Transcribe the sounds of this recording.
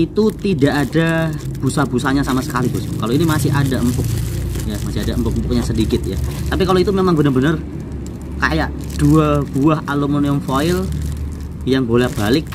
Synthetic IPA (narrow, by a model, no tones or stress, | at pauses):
it̪ut̪idaʔada | b̥usabusaɲasamasə̥kalit̪usikaloinimasɪɦadaəmpʊk̚jamasɪɦadaəmpʊk̚əmpʊk̚ɲasədikɪt̪̚ja̰t̪apikaloit̪umemaŋbənərbənər | ka̰jaʔ | d̥uab̥uaɦʔalomoniʊmfoɪl | jaŋbolɛhb̥alɪk̚